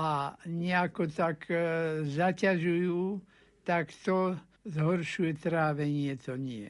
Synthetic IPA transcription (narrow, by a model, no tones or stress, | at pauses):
aɲɛakɔt̪akzacaʒujuː | t̪akt̪ɔ | zɦɔɾʃujɛt̪ɾaːʋɛɲɪɛt̪ɔɲɪɛ̰